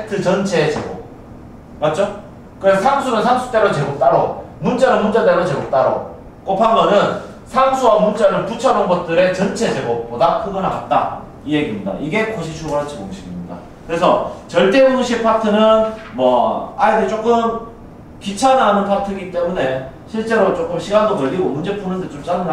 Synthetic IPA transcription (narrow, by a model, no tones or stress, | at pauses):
etʰɯt͡ɕʌnt͡ɕʰe̞t͡ɕeɡo̰p̚ | mat̚t͡ɕ͈o | kɯɾesʰʌsʰaŋsʰunɯnsʰaŋsʰu̥t͈e̞ɾot͡ɕe̞ɡok̚t͈aɾomunt͡ɕ͈anɯnmunt͡ɕat͈eɾot͡ɕeɡop̚t͈aɾo̰ | k͈opʰammʌnɯn | sʰaŋsʰuwamunt͡ɕ͈aɾɯɭput͡ɕʰʌɾonbʌt̚t͈ɯɾe̞t͡ɕʌnt͡ɕʰe̞t͡ɕe̞ɡop̚p͈odakɯɡɯnakat̚t͈a̰ | ije̞ɡimɲida̰ʔiɡe̞koɕ̬ʰit͡ɕʰuɡʌɾat͡ɕʰimoŋɕʰibimɲida̰ | kɯɾe̞sʰʌt͡ɕʌɭt͈e̞moŋɕʰipʰatʰɯnɯnmwʌaedɯt͡ɕ͈ok͈ɯm | kit͡ɕʰananɯnpʰatʰɯɡit͈e̞mune̞ | ɕʰiɭt͡ɕ͈e̞ɾot͡ɕ͈ok͈ɯmɕʰiɡandokʌʎːiɡomund͡ʑe̞p͈ʰunɯndet͡ɕomt͡ɕ͈anɯna